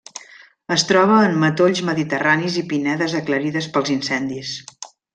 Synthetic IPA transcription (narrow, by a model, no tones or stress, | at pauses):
əst̪ɾɔβ̞əːmːət̪oʎzməðit̪əranizipinɛðəzəkləɾiðəspəlˠzinsɛnd̪is